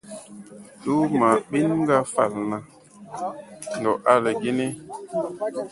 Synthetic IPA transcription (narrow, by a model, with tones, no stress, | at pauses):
tu˦ma˨ɓi˦nŋ˦ɡa˦fa̰˦˨lna˨ | n˨dɔ˨ʔa˦lə˨ɡi˦ne˦